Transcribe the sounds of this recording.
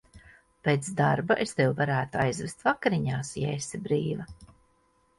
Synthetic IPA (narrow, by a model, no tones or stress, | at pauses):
pʲet̪sd̪aɾbaʔest̪ewvaɾæːt̪uajzvest̪vakaɾiɲaːsjɛːsibɾiːva